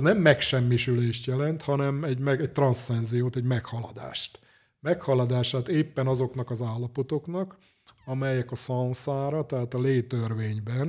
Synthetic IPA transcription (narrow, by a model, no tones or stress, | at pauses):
znɛmːɛkʃɛmːiʃyleːʃt̪jɛlɛnt̪hɒnɛmɛɟmɛɛc̚t̪rɒnsːɛnzijoːt̪ɛɟmɛkhɒlɒd̪a̰ːʃt̪ | mɛkhɒlɒd̪aːʃaːt̪eːpːɛnɒzo̞knɒkɒzaːlːɒpot̪o̞knɒk | ɒmɛjɛkɒsɒũnsaːɾɒt̪ɛɦaːt̪ɒleːt̪ørʋeːɲbɛn